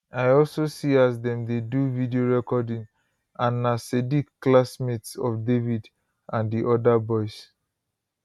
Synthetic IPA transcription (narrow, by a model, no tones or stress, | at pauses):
ajɔlsosiazdɛ̃mdeduvidioɹɛkɔdĩŋ | ʔãnːasedikːlasmetsɔfdevid | ʔãndiʔɔdabɔɪs